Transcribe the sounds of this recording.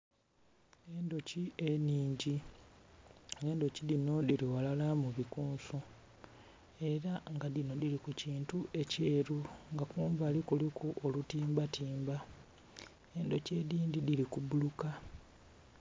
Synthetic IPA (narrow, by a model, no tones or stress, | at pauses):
eːndo̞cieniːɲɟi | eːndo̞ciðino̞diliwalalamuβikuːnsu | e̞ɾaŋɡaðino̞dilikuciːntuʔe̞ceːɾuŋɡakuːmbaːlikulikʰuʔolutiːmbatiːmba | e̞ndo̞ce̞ðiːndidilikubuluka